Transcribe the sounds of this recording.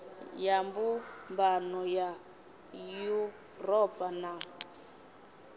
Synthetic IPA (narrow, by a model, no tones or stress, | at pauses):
jambumbanɔja | ju | rɔpʼana